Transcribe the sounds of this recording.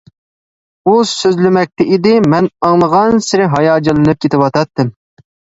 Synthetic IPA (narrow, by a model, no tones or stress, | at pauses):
usøzlɪmɛk̚ʲt̪ɛʔid̪ɪmɛnɑŋlˠəʁɑnsɪɾɪɦɑjɑːd͡ʒɨlˠɨnɨp̚kʲʰet̪ɪwɑt̪ʰɑt̪ːɨm